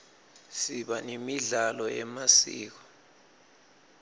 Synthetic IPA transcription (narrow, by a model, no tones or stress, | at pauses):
siɓanemiɮalɔɛmasḭːk̬ɔ̥